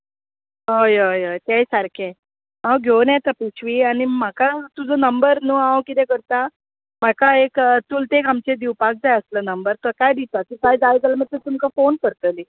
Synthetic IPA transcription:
ɦojəjəjt̪ejsaɾkʰe | ãwɡʱewnat̪əput͡sʰʋiːañim̤akat̪ud͡zonəmbəɾnuːãwkit̪ɛ̃kəɾt̪a | m̤akaekt̪ult̪ekamt͡ɕed̪iwpak̚d͡zajəslənəmbəɾt̪əɾkajd̪it̪at̪ikajd͡zajd͡zaləmət̪ət̪umkafonkəɾt̪əli

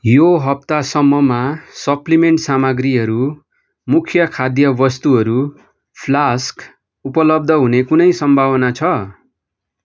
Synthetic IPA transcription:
joɦʌp̚t̪asʌmːʌmasʌplimeɳʈsamʌɡriɦʌɾu | mukʰjʌkʰad̪jʌbʌst̪uɦʌɾu | pʰlask | upʌlʌb̚d̪ʱʌɦunekunʌjsʌmbʱawʌnat͡sʰʌ

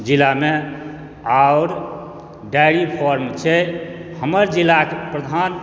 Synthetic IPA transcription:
d͡ʒilame | aʊɾ | ɖajɾipʰɔɾmt͡ʃʰɛhəməɾd͡ʒilakepɾəd̪ʱan

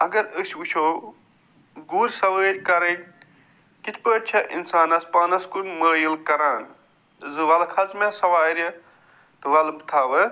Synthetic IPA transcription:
ɐɡɐɾəsʲbut͡ʃʰo | ɡuːɾʲsɐʋəːɾʲkɐɾɐnʲ | kit̪ʰpəːʈt͡ʃʰɐʔḭnsaːnɐspaːnɐskunməːjilkɐɾaːn | zɨʋɐlkʰɐt͡smesɐʋaːɾʲɐ | t̪ɨʋɐlbɨt̪ʰaːʋɐ

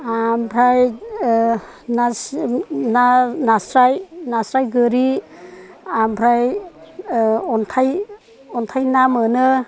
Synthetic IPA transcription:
ampʰɾaj | nasnanasɾajnasɾajɡɯɾi | ampʰɾaj | ɔntʰaj | ɔntʰajnamɯnɯ

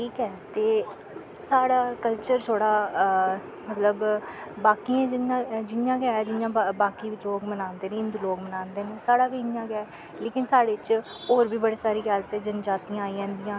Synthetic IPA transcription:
ʈʰiːkɛːt̪eː | saːɽaːkəlt͡ʃəɾt̪ʰoːɽaː | mət̪ləbbaːkiãːd͡ʒɪãd͡ʒɪjãːɡɛaːɛːd͡ʒɪjãːbaːkiːbiːloːkmənãːnd̪eːnẽːɪ̃nd̪uːloːɡmənãːnd̪eːneːsaːɽaːbiːɪjãːɡaːɛ | leːkɪnsaːɽeːt͡ʃ | oːɾbiːbəɽiːsaːɾiːɡaːlət̪ɛːd͡ʒənd͡ʒaːt̪iːãːaːiːd͡ʒãːnd̪ijãː

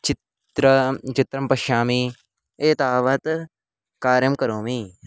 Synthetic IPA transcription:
t͡ʃɪ | ɾt͡ʃɪt̪ɾɐmpɐʃaːmi | eːt̪aːʋɐt̪ | kaːɾjɐmkɐɾoːmiː

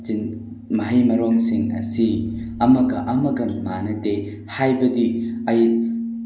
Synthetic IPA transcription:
t͡ʃin | mɐɦɐjmɐɾɔŋsiŋɐ̰siɐmɐɡɐʔɐmɐɡɐnmanɐte | hajbɐdiɐjit̚

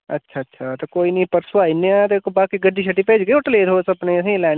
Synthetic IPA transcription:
ɐ̰tːʃʰaːɐtːʃʰat̪ekoːinɐĩpəɾsaːineat̪ekbaːkiɡɐɖiʃ̬ɐʈipeːd͡ʒɡeʊʈleːt̪oːsɐbnesĩlaː

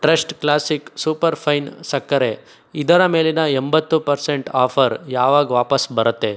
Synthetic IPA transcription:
ʈɾesʈklaːsiksuːpɐɾpʰɐjnsɐkːɐɾe | id̪ɐɾɐme̞ːlinɐembɐt̪ːupɐɾseɳʈaːpʰɐɾjaːʋaːɡʋaːpɐsbɐɾɐt̪ːe̞

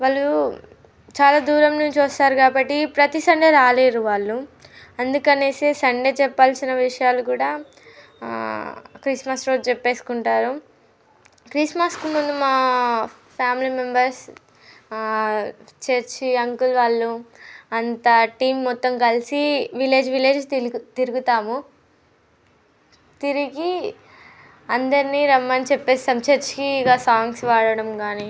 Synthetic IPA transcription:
ʋaːɭːu | t͡ʃaːlaːd̪uːɾɐmnuɲt͡ʃiʋɐst̪aːɾukaːbɐʈːipɾɐt̪isɐɳɖe̞ːɾaːleːɾuʋaːɭːu | ɐnd̪ukɐne̞ːsesɐɳɖe̞ːt͡ʃɛpːaːlsinɐʋiʂɐjaːlukuːɽaː | kɾismɐsɾo̞ːd͡ʒt͡ʃɛpːe̞ːskuɳʈaːɾu | kɾismɐskumund̪umaː | pʰjaːmilimembɐɾs | t͡ʃeɾt͡ʃiɐŋkulʋaːɭːuɐnt̪ɐʈiːmːɔt̪ːɐmkɐlisiʋile̞ːd͡ʒʋile̞ːd͡ʒt̪iɾuɡut̪aːmu | t̪iɾiɡi | ɐnd̪ɐɾiniɾɐmːɐnit͡ʃɛpːe̞ːsɐmt͡ʃeɾt͡ʃkiɡaːsaːŋɡsʋaːɭɐɽɐmkaːni

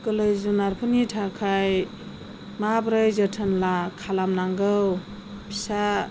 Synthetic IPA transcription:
kɯlɯjzunaɾpʰɯnitʰakʰaj | mabɾɯjzətʰənlakʰalamnaŋɡɯw | pʰisa

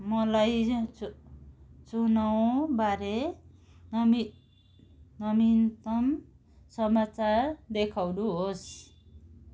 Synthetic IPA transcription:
mʌlaj | t͡sunaw̃baɾe | mi | nʌmint̪ʌm | sʌmat͡saɾd̪ekʰawduɦos

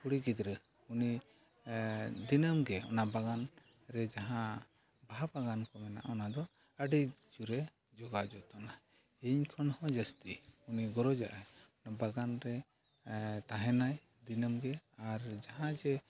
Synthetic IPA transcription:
puɽiɡid̪ɾɛ | uni | d̪inəmɡɛɔ̰nabaɡan | ɾɛd͡ʒaɦã | baabaɡankɔmɛna̰ʔɔnad̪ɔ | əɖid͡ʒuɾɛ | d͡ʒɔɡad͡ʒɔt̪ɔna | iɲkʰɔnhɔ̃d͡ʒəst̪iuniɡɔɾɔd͡ʒa̰ʔajɔnabaɡanɾɛ | t̪aɦɛnaj | d̪inəmɡɛaɾd͡ʒaɦãd͡ʒɛ

